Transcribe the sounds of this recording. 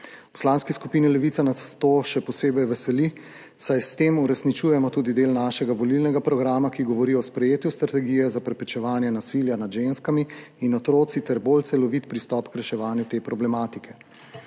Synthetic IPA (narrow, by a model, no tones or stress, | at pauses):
pɔ̥slanskiskupiːnilɛʋit̪anat̪t̪oʃɛpɔseːbɛjʋɛsɛli | sajst̪emuɾɛsnit͡ʃujɛmɔt̪uːd̪id̪eːlnaːʃɛɡaʋɔlilnɛɡapɾɔɡɾaːmakiɡɔʋɔɾiɔspɾɛjeːt̪just̪ɾat̪ɛɡijɛzapɾɛpɾɛt͡ʃɛʋaːnjɛnasiljanad̪ʒenskamiːnɔt̪ɾoːt̪sit̪ɛɾbolt̪sɛlɔʋit̪pɾist̪ɔːpkɾɛʃɛʋaːnjut̪eːpɾɔblɛmaːt̪ikʰɛ